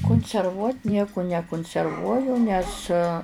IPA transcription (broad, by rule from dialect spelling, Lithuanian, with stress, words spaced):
kʊnʲsʲɛrˈʋuɔtʲ ˈnʲiɛkʊ nʲɛkʊnʲsʲɛrˈʋuɔjʊ nʲɛs